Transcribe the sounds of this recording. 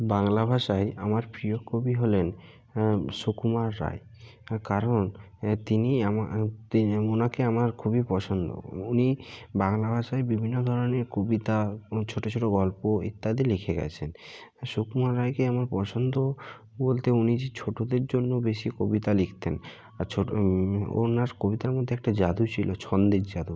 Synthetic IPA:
baŋlabʱaʃaeamaɾpɾiokʰobiɦolen | ʃukumaɾːa̰je | kaɾon | t̪iniamat̪ionakeamaɾkʰubipɔt͡ɕʰond̪o̰unibaŋlabʱaʃaebibʱinːod̪ʱɔɾoneɾkobit̪at͡ɕʰoʈot͡ɕʰoʈoɡɔlpoḭt̪ːad̪ilikʰeɡɛ̰t͡ɕʰen | ʃukmaɾːajkeamaɾpɔt͡ɕʰond̪o | bolt̪eunid͡ʑet͡ɕʰoʈod̪eɾd͡ʑonːobeʃikobit̪alikʰt̪en | at͡ɕʰo | o̰naɾkobit̪aɾmod̪ʱːeɛk̚ʈad͡ʑad̪ut͡ɕʰilot͡ɕʰɔnd̪eɾd͡ʑad̪u

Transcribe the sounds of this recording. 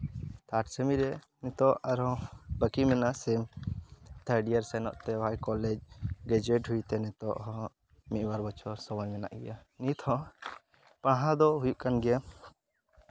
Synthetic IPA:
t̪ʰaʈsɛmiɾɛ | nit̪ɔaɾɔ̃bəkimɛnaʔsɛm | t̪ʰəɾɖiaɾsɛnɔ̰ʔt̪ɛwajkɔlɛd͡ʒɡɛd͡ʒɛʈɦujt̪ɛnɛt̪ɔʔɦɔ | miʔwaɾbɔt͡ʃʰɔɾsɔmɔjmɛna̰ʔɡɛjanit̪ʰhɔ | paɽ̃ɦãd̪ɔɦujuʔkanɡɛja

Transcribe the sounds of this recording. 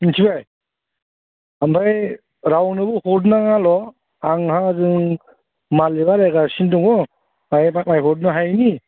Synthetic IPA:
intʰibaj | ambaj | ɾawnɯbɯhɔd̬naŋalɔ | aŋhazɯŋ | malibaɾajɡasindɔŋɔ | ajmajɦɔt̚nɯɦajni

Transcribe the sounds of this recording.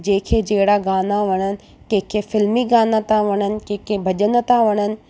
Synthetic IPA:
d͡ʑẽːkʰed͡ʒeːɦɽaɡaːnaʋɐɽ̃ənɪ̆ | kẽːkʰefɪlmiɡaːnat̪ʰãʋɐɽ̃ənɪ̆kẽːkʰebʱɐʄənə̆t̪ʰãʋɐɽ̃ənɪ̆

